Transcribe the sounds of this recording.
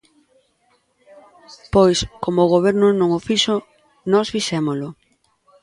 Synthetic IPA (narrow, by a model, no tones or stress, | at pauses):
pojskomoːɣ̞oβ̞ɛɾnʊnõŋofiʃo | nɔsfiʃɛmolʊ